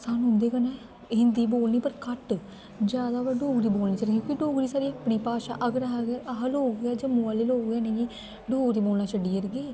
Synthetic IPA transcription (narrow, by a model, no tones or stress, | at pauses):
saːnũɦʊnd̪eːkənãː | ɦɪnd̪iːboːlniːpəɾkəʈ | d͡ʒjaːd̪aːʋɛːɖoːɡɾiːboːlniːt͡ʃəɾɡjõːkiɖoːɡɾiːsaːɾiːapniːpaːʃa̰ːʔəɡɾaɦaɡɛːʔaɦəlɦoːɡaːd͡ʒəmũaːleːloːɡɛːnẽːɡiː | ɖoːɡɾiːboːlnaːt͡ʃəɖːiːəɾɡeː